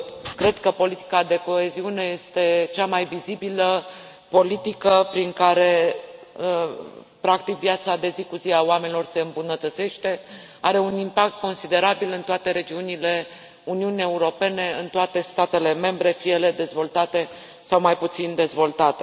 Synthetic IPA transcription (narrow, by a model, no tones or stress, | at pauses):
kɾe̞d̪kəpo̞lit̪i̥kad̪e̞ko̞e̞ziune̞je̞st̪e̞t͡ʃamajvizibilə | po̞lit̪ikəpɾiŋkaɾe̞ | ə | pɾak̚t̪ikvjat̪sad̪e̞zikuziaoamenilo̞rse̞ɨmbunət̪ət̪se̞ʃt̪e̞ | aɾe̞unimpak̚t̪̚ko̞nsid̪e̞ɾabilɨnt̪oat̪e̞ɾe̞d͡ʒiunile̞ | uniunie̞uɾo̞pe̞ne̞ɨnt̪oat̪e̞st̪at̪e̞le̞me̞mbɾe̞fije̞le̞d̪e̞zvo̞lt̪at̪e̞ | sawmajput̪sind̪e̞zvo̞lt̪at̪e̞